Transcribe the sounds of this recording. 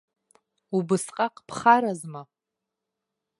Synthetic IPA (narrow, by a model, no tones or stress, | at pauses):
ubɨsqʼaqʼpʰχaɾazma